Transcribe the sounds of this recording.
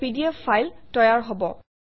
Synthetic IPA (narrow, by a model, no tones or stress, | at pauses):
idiafajltɔjaɹɦɔbɔ